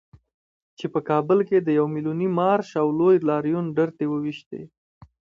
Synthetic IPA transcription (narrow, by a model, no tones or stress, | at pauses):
t͡ʃepəkɑbəlked̪əjawmilunimɑɾʃawlojlɑɾjunɖəɾt̪ewəwiʃt̪ḛ